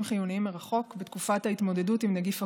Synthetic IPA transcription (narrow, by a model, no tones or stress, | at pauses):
mχijuniimeʁaχo̞kbetkufathaitmo̞de̞dutimnaɡifa